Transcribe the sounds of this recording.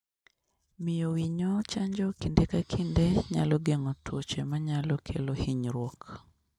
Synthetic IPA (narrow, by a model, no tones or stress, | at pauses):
mɪjowiɲot͡ʃaɲd͡ʒɔkindekakʰindeɲa̰lɔɡeŋɔtwot͡ʃemaɲalɔkʰelohiɲɾwɔk